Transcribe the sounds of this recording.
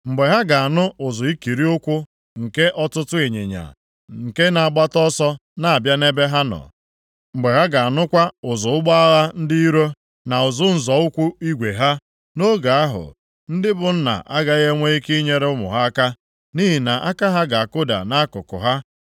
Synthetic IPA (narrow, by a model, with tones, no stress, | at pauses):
ŋ͡m̩˨ɡ͡be˨ɦa˦ɡa˨a˨nʊ˦ʊ˨zʊ˨i˦ki˨ɾi˦ʊ˦kʷʊ˦ | ŋ̩˨ke˦ʔɔ˦tʊ˦tʊ˦e˨ɲḛ˨ɲa̰˨ | ŋ̩˨ke˦na˨a˨ɡ͡ba˦tɔ˦sɔ˦na˨a˨bja˦ne˦be˦ɦa˦nɔ̰˨ | ŋ͡m̩˨ɡ͡be˨ɦa˦ɡa˨a˨nʊ˦kʷa˦ʊ˨zʊ˨ʊ˦ɡ͡ba˦a˦ɣa˦n̩˦dɪ˦i˦ɾo˦ | na˨ʊ˨zʊ˦n̩˨zɔ˨ʊ˦kʷʊ˦i˦ɡʷe˨ɦa˦ | no˦ɡa˨a˦ɦʊ̰˨ | n̩˦dɪ˦bʊ˨n̩˦na̰˨ʔa˦ɡa˨˦ɣe˦ŋʷe˦i˦ki˦ɲe˦ɾe˦ʊ˦mʊ̰˨ɦa˦a˦ka˦ | ni˦ɦi˨na˨ʔa˦ka˦ɦa˦ɡa˨a˨kʊ˦da̰˨na˦a˦kʊ˨kʊ̰˨ɦa˦